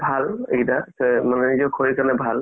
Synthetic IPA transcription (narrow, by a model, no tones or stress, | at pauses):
bʱalḛidasɛmanɛnizɔkʰoɹikanɛbʱal